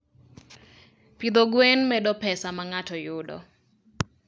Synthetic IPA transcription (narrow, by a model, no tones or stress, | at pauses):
pid̪ɔɡwenmɛdɔpɛsamaŋatɔjʊdɔ̰